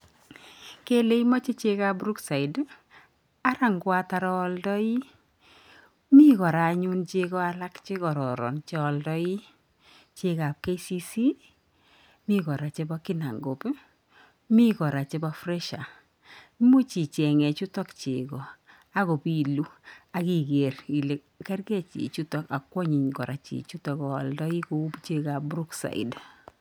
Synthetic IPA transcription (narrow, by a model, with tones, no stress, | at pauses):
ke˦le˦imɔ˦t͡ʃe˦t͡ʃe˦ka˦pɾu˦ksa˨i˨d | a˦ɾa˨ŋɡwa˦ta˨ɾɔː˦ldɔ˦i˦ | mi˦kɔ˨ɾa˨ɲu˦nt͡ʃe˧kɔ˦a˦la˦kt͡ʃe˦kɔ˨ɾɔ̰˨ɾɔ̰˨nt͡ʃe˦ɔ˧ldɔ˦i˦ | t͡ʃe˦ka˨p̚ke˦si˦si˦ | mi˦kɔ˨ɾa˨t͡ʃe˦bɔ˦ki˦na̰˨ŋɡo˨p | mi˦kɔ˨ɾa˨t͡ʃe˦bɔ˦frɛ˦ʃa˨˦ | mo˦t͡ʃi˨t͡ʃɛ˨ŋɛ˨t͡ʃu˦tɔ˦kt͡ʃe˨kɔ˨ | a˦ko˨pi˨lu˦a˨ki˨ke˨ri˨le˨ | kɛ˦rkɛ˦t͡ʃḭ˨t͡ʃu˦tɔ˦ka˨kwɔ˦ɲi˨ɲkɔ˨ɾa˨t͡ʃḭ˨t͡ʃu˦tɔ˨kɔ˨ldɔ˦i˦ko˦u˦pt͡ʃe˦ka˨p̚bɾu˦ksa̰˨ḭd